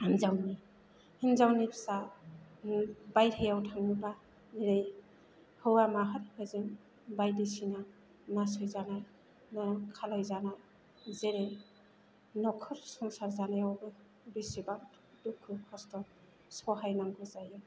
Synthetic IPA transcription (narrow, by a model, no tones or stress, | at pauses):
amzawni | hinzawnipʰsa | bajthejawtʰaŋiba | eɾej | hɯwamaɦɯɾhɯzɯŋ | bajdisina | nas̬ɯjzana | nɔkʰalajzana | zeɾe | nɔkʰɔɾsɔŋsaɾzanajawbɯ | bisiba | dukʰːukʰɔstɔ | sɔɦajnaŋɡɯzajɯ